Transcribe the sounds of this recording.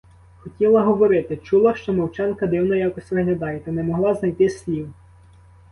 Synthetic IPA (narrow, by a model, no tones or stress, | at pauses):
xɔtʲilˠɐɦɔʋɔɾɪt̪ɪt͡ʃulˠɐʃt͡ʃɔmɔwt͡ʃɑnkɐd̪ɪwnɔjakɔsʲtʲʋɪɦlʲɐd̪ɑjɛt̪ɐnɛmɔɦlˠɑznɐjt̪ɪsʲlʲiw